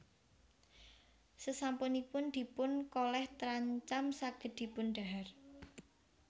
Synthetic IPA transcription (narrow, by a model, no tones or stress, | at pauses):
səsampʊnipʊnd̪̥i̤pʊnkolɛht̪əɾaɲt͡ʃamsaɡ̥ə̤d̪̥i̤pʊnɖ̥a̤ɦar